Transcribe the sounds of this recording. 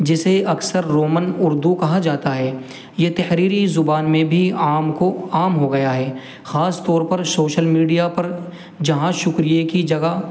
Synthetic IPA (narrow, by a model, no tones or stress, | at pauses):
d͡ʒɪseɐksəɾːoːmənʊɾd̪ukɐɦad͡ʒaːt̪aɦɛː | jet̪ɛhɾiːɾizʊbaːnmẽbʱiaːmkoaːmɦoɡɐjaɦɛː | xaːst̪ɔːɾpɐɾsoːʃəlmiːɖijapɐɾ | d͡ʒɐɦãʃʊkɾijekid͡ʒɐɡa